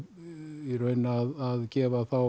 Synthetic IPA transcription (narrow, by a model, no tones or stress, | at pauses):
iɾœɥnːaaðaðcɛːvaθaw